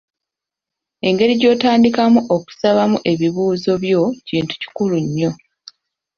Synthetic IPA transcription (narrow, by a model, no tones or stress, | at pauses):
e̞ŋɡe̞ɾiɟo̞ːtaːndikamuʔoku̥saβamuʔe̞βiβuːzo̞βjo̞ciːntu̥ci̥kuluɲːo̞